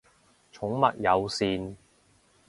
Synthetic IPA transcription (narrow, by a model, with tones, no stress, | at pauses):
t͡ʃʰʊ˨˥ŋmɐ˨t̚jɐ˨˧wsiː˨˧n